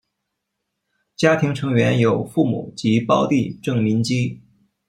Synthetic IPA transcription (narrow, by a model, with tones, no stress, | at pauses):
t͡ɕja˥t̪ʰi˧˥ŋʈ͡ʂʰɤ˧˥ŋɥɛ˧˥njo˨˩ʊfu˥˩mṵ˨˩˦t͡ɕi˧˥pɑ˥ʊt̪i˥˧ʈ͡ʂɤ˥˩ŋmi˧˥nt͡ɕi˥